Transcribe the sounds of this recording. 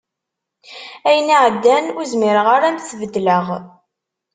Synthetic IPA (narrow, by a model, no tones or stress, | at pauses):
æjəniʕəd̪ːænuzmɪɾəʁaɾæmθvəd̪ːləʁ